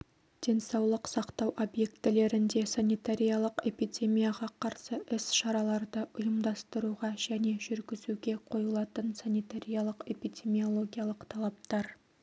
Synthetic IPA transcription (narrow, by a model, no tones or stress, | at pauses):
d̪̥e̞nsɑwlˠəqsɑqt̪ɑwʔo̞bje̞kt̪ɪle̞ɾɪnd̪e̞sanijt̪aɾʲijalˠəqe̞pid̪ʲe̞mijaʁɑqʰɑɾsəʔɪsʃɑɾɑlˠɑɾd̪əʔʊjəmd̪ɑst̪əɾuʁɑʒ̥æne̞ʒʏɾɡʲɪzuɡʲe̞qʰo̞jəlˠɑt̪ənsanijt̪aɾʲijalˠəqe̞pid̪ʲe̞mio̞lˠo̞ɡʲijalˠəqt̪ʰɑlˠɑp̚t̪ɑɾ